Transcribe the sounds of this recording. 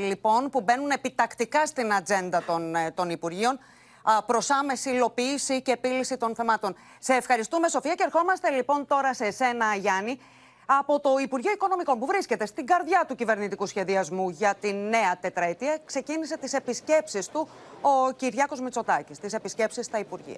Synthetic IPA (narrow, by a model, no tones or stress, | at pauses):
lipo̞npube̞nune̞pit̪ɐkt̪ikɐst̪inɐd͡ze̞nd̪ɐt̪ont̪o̞nipuɾʝio̞n | pɾo̞sɐme̞siːlo̞piːsiceːpilisit̪onθe̞mɐt̪o̞n | se̞ːfxɐɾist̪ume̞so̞fiɐcee̞ɾxo̞mɐst̪e̞lipo̞nt̪o̞ɾɐse̞se̞nɐʝɐni | ɐpo̞t̪o̞ipuɾʝioiko̞no̞miko̞npuvɾisce̞t̪e̞st̪iɡɐɾðʝɐt̪ucive̞ɾnit̪ikusçe̞ðiɐzmuʝɐt̪inːe̞ɐt̪e̞t̪ɾɐet̪iɐkse̞cinise̞t̪ise̞pisce̞psist̪u | o̞ciɾʝɐko̞zmit͡so̞t̪ɐcist̪ise̞pisce̞psist̪ɐipuɾʝḭɐ̰